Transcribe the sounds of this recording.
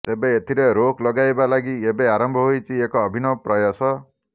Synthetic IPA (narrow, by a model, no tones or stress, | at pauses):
t̪ebeet̪ʰiɾeɾokʰlɔɡajbalaɡiebeaɾɔmbʱɔɦojt͡ʃʰiekɔːbʱinɔpɾɔjɔsɔ